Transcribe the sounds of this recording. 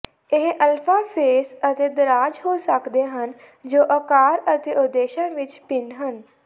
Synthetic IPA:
ɪɦʔəlfʰaːpʰeːsət̪eːd̪əɾaːd͡ʒɦoːsəkd̪eːɦən | d͡ʒoːʔəkaːɾət̪eːʊd̪ːeːʃãːʋɪt͡ʃpɪnɦən

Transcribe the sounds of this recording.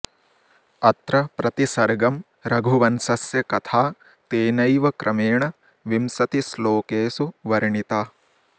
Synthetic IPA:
ɐt̪ɾɐpɾɐt̪isɐɾɡɐm | ɾɐɡʱuʋɐnsɐsjɐkɐt̪ʰaː | t̪eːnɐjʋɐkɾʔɐmeːɳɐ | ʋimsɐt̪isloːkeːsuʋɐɾɐɳit̪aː

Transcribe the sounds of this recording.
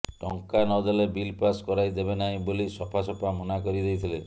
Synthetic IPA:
ʈɔŋkanɔd̪ɔlebilpaskɔɾajd̪ebenaĩbolisɔpʰasɔpʰamɔnakɔɾid̪ejt̪ʰile

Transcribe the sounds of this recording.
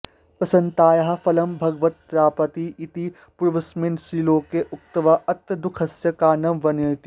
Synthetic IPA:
pɐsɐ̃nt̪aːjɐɦfɐlɐmbʱɐɡʋɐt̪̚pɾaːpɐt̪iɪt̪i | puɾʋɐsmɪnʃɾiːloːkeʔʊk̚t̪ɐʋaʔɐt̪ːd̪ʊkʰɐsjɐkaːnɐmʋɐnot̪i

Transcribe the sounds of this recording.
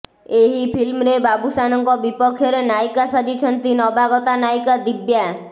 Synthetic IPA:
eɦipʰilmɾebabusanɔŋkɔbipɔkʰːjɔɾenajkasad͡ʒit͡ʃʰɔnt̪inɔbaɡɔt̪anajkad̪ibja

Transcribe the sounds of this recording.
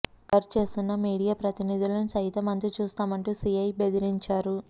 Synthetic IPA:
kɐɾt͡ʃe̞ːst̪unːɐmiːɽijaːpɾɐt̪inid̪ilɐnusɐjit̪ɐmɐnt̪ɾit͡ʃuːst̪aːmɐɳʈuːsiɐjbe̞d̪iɾiɲt͡ʃaːɾu

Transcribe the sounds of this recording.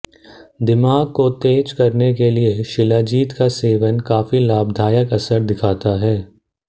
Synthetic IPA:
d̪ɪmaːɡ̚kot̪eːd͡ʒkɐɾnekelieʃɪlaːd͡ʒiːt̪kaseːʋənkaːfilaːbd̪ʱaːjəkɐsəɾd̪ɪkʰaːt̪aɦɛː

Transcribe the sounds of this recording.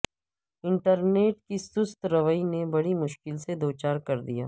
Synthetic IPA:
ɪ̃ɳʈəɾneːʈ̚kisʊst̪ɾɐʋəinebɐɽimʊʃkɪlsed̪oːt͡ʃaːɾkɐɾd̪ḭja̰ː

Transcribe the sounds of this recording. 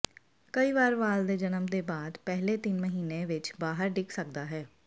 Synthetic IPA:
kəiːʋaːɾʋaːld̪eːd͡ʒənəmd̪eːbaːd̪pɛɦleːt̪ɪnməɦiːneːʋɪt͡ʃbaːɦəɾɖɪksək̚d̪aːɦɛː

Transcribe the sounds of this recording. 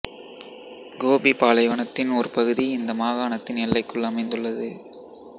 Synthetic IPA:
ɡoːbipaːlɐɪʋɐɳɐt̪ːɪnɔɾɯpɐɣɯðiɪnd̪ɐmaːɣaːnɐt̪ːɪnɛlːɐɪkːɯɭːɐmɐɪnd̪ɯɭːɐðɯ

